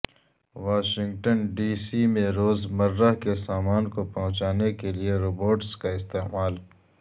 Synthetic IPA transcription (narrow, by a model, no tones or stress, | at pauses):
ʋaːʃɪ̃ŋɡʈənɖiːsimẽɾoːzmɐɾːəɦkesaːmaːnkopɐɦʊ̃t͡ʃaːnekelieɾoːboːʈskaɪst̪eːmaːl